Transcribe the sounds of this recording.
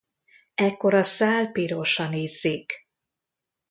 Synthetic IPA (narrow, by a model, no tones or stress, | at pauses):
ɛkːo̞ɾɒsaːlpiɾoʃɒneːzːeːk